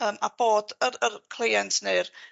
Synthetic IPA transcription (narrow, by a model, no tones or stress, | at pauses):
əːmab̥oːdərərkʰl̥ˠejɛntʰneɨr